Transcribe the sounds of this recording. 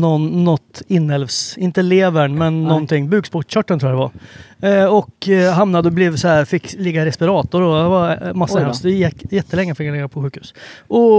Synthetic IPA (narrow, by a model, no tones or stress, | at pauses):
nɔnːɔt̪ːɪnːɛlvsɪnt̪əleːvəɳmɛnːɔnt̪ʰɪŋːbʉ̟ːɡspɔʈɕœʈːənt̪ɾuːad̪ɛva̰ɾ | ɔkɦamnad̪əɔblɛvsɔæːɾfɪkːlɪɡaɾɛspɪɾɑːt̪ɔd̪ɔdɛvamasːasɛjɛjɛt̪ːəlɛŋːəfɪkːjlɛːɡːapʰɔɧʉ̟ːkhʉ̟ːsʔɔ